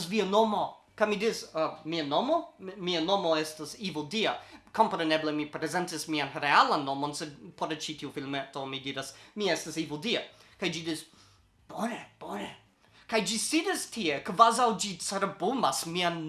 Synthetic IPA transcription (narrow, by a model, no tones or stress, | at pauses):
sviɐnomo | kamidismiɐnomomiɐnomoestasivodiɐkʰompɾeneblemipɾezɛntismianɾealanːomonsedpʰoɾt͡ʃitʰiufilmetomidiɾasmiɛstasivudiɐkajd͡ʒidis | b̥oneb̥one | kajd͡ʒisidistʰiekvazawd͡ʒit͡saɾbumasmian